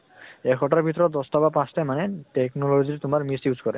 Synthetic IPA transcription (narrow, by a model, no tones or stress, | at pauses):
ɛkʰɔʈaɹbʱit̪̬ɔɾɔd̪ɔst̪abapãst̪amaneʈeknɔlod͡ʑiɾɛt̪umaɹmisjuzkɔɾe